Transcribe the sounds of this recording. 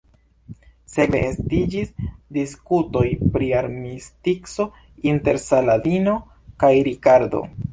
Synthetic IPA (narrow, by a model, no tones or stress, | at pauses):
se̞be̞ːstid͡ʒisdiskuto̞jpɾiaɾmistikso̞ | inte̞ɾsaladino̞ | kajɾikaɾdo̞̰